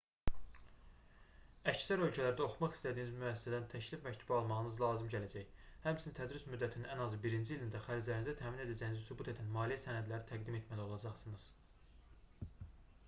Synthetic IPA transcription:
æcsæɾølcʰælæɾd̪æo̞xumɑχi̥st̪æd̪iːnizmyæsːsæd̪ænt̪ʰæʃlifmæct̪ʰubɑlˠmɑʁɯnɯzlˠɑːzɯmɟælæd͡ʒæçhæmt͡ʃʰinit̪ʰæd̪ɾismyd̪ːæt̪ʰininænɑzɯbiɾind͡ʒiilind̪æxæɾd͡ʒlæɾinizæt̪ʰæːmine̞d̪æd͡ʒæjinizæsubut̪ʰe̞d̪ænmɑːlijæsænæd̪læɾit̪ʰæɡd̪ime̞t̪ʰmælio̞lˠɑd͡ʒɑχsɯnɯz̥

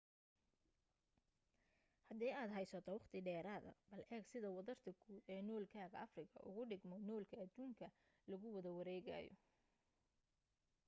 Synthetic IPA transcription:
hɐd̪ɛːaːd̪ɦɛjsɔt̪ʰɔwɑχt̪ʰɪɖɛːɾaːðɐ̰bɐlʔɛːɡsɪðɐwɐðɐrt̪ʰɐkʰuːɛːnɔːlkʰaːɣɐɐfrɪkʰɐ̰ʔʊ̰ɣʊɖɪɡmɔnɔːlkʰɐɐd̪uːŋkʰɐ | lɐɣʊwɐðɐwɐɾɛːɣa̰ːjɔ̰

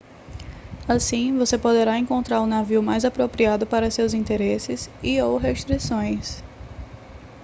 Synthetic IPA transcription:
asĩvosepod̪eɾaẽkõnt̪ɾaɾʊ̃naviwmajzapɾopɾiad̪ʊpaɾɐsewzĩnt̪eɾesɪsiowɦeʃt̪ɾisõj̃s

